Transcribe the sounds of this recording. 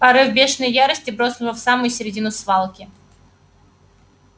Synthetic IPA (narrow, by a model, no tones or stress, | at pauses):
pɐɾɨvbʲe̞ʂnəjjaɾəsʲtʲɪbɾo̞snʊvəfsamʊjʊsʲɪɾʲɪdʲinʊsvalˠkʲɪ